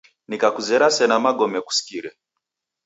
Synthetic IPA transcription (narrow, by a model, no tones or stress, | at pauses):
nikakuzɛɾasɛnamaɡɔmɛku̥si̥kiɾɛ